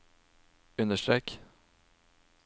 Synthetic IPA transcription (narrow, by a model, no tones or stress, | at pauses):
ʉnəʂʈɾɛk